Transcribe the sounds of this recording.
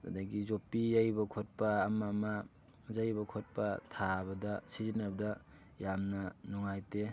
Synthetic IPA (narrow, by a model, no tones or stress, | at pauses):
ta̰daɡizopijajbɐkʰot̚pɐːmama | zajbɐkʰot̚pɐtʰabɐdɐsizinɐbɐdɐ | jamnɐnuŋajte